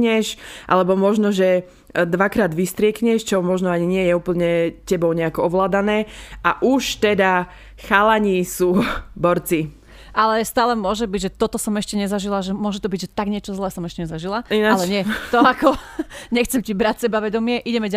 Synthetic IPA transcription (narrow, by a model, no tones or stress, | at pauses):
ɲɛʃʔa̰lɛbɔmɔʒnɔʒɛ | d̪ʋakɾaːd̪ʋist̪ɾɪɛkɲɛʃt͡ʃɔmɔʒnɔaɲiɲɪɛjɛuːpl̩ɲɛcɛbɔʊɲɛakɔɔʋlaːd̪anɛːʔaʔuʃt̪ɛd̪a | xalaɲisuːbɔɾt͡si | ʔalɛst̪aːlɛmʊɔʒɛbiɟʒɛt̪ɔt̪ɔsɔmɛʃcɛɲɛzaʒilaʒɛmʊɔʒɛt̪ɔbiɟʒɛt̪aɡɲɪɛt͡ʃɔzlɛːsɔmɛʃcɛɲɛzaʒilainaalɛɲɪɛt̪ɔakɔɲɛxt͡sɛmcibɾacsɛbaʋɛd̪ɔmɪɛʔiɟɛmɛɟ